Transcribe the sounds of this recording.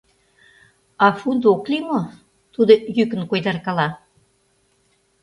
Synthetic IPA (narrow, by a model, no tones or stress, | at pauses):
ɑfund̪oklimo | t̪ud̪ojykə̆nkojd̪ɑrkɑlɑ